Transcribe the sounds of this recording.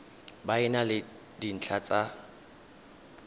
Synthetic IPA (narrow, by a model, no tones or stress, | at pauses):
baɪnalɪ | din̩t͡ɬʰat͡sʼa